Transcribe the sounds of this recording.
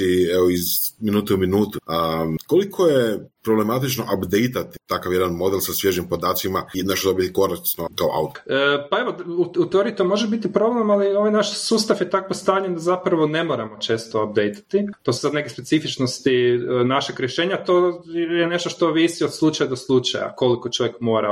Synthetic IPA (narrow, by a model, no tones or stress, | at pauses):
ieʋoizminuːt̪ɛuminuːt̪uəkolikʰojepɾoblemat̪it͡ʃnoʔapd̪ejt̪at̪i̥t̪akaʋjed̪anmo̞d̪elˠsasʋjeʒimpod̪aːt̪simaneʃod̪obit̪iko̞ɾakt͡ʃ̪nokao̰ʔa̰wt̪ːpae̞ʋouut̪eo̞ɾiit̪o̞mo̞ʒebit̪ipɾo̞ble̞malio̞ʋajnaʃsuːst̪afjet̪akost̪aːɲend̪azapɾaʋo̞ne̞mo̞ɾamot͡ʃe̞ːst̪oap̚d̪ejt̪ḁt̪it̪o̞susad̪ne̞kespe̞t̪sifit͡ʃnost̪inaʃeɡɾʲjeʃe̞ːɲat̪ojene̞ʃt̪oʃt̪o̞ʋisiod̪slˠut͡ʃajad̪oslˠut͡ʃa̰ja̰ko̞likot͡ʃo̞ʋjekmo̞ːɾa̰